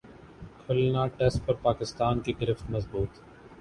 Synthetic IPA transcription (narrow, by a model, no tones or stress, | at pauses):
kʰʊlnaʈɛsʈ̚pɐɾpaːkɪst̪aːnkiɡɪɾɪfʈ̪mɐzbuːt̪